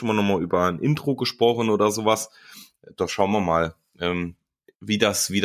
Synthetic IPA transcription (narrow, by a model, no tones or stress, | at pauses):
ʔɪmɐnɔχmaːlyːbɐnʔɪntʁ̥oɡəʃpʁ̥ɔχn̩oːdɐzoːvas | d̥ɔχʃaʊnviɐmaːl | ʔɛːm | viːdasv̥iːd